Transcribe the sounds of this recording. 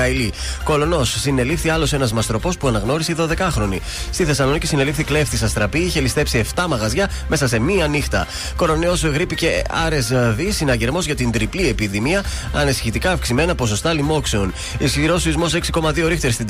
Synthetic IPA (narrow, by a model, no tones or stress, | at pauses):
ɐili | ko̞lo̞no̞sːine̞lifθiɐlo̞se̞nɐzmɐst̪ɾo̞po̞spuɐnɐɣno̞ɾisiiðo̞ðe̞kɐxɾo̞nḭ | st̪iθe̞sɐlonicisine̞lifθikle̞ft̪isɐst̪ɾɐpiiçe̞list̪epsie̞ft̪ɐmɐɣɐzʝɐ | me̞sɐse̞miɐnixt̪ɐ̰ | ko̞ɾo̞neo̞sɣɾipice̞ɐɾe̞zvisinɐʝeɾmo̞zʝɐt̪ind̪ɾiplie̞piðimiɐ | ɐnisi̥çit̪ikɐːfksime̞nɐpo̞s̬o̞st̪ɐlimo̞kseon | isçiɾo̞sizmo̞se̞ksi̥ko̞mɐðio̞ɾixt̪eɾst̪i